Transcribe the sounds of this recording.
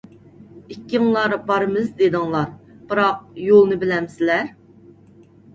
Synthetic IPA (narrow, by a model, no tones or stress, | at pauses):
ikʲːiŋlˠɑɾbɑɾɨmɨzd̪ed̪ɨŋlˠɑɾb̥ɨɾɑq̚jolˠnɨbɪlɛmsɪlæɾ